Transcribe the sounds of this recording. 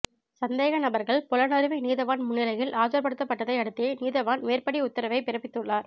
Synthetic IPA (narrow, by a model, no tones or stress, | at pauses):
sɐnd̪eːɣɐnɐbɐɾɣɐɭpɔlɐnɐɾɯʋɐniːðɐʋaːnmʊɳːɪlɐjɪlʔaːt͡ʃɐɾpɐɽɯt̪ːɐpːɐʈːɐðɐɪɐɽɯt̪ːeːniːðɐʋaːnʋeːɾpɐɽiʊt̪ːɐɾɐʋɐɪpɪɾɐpːɪt̪ːɯɭːaːɾ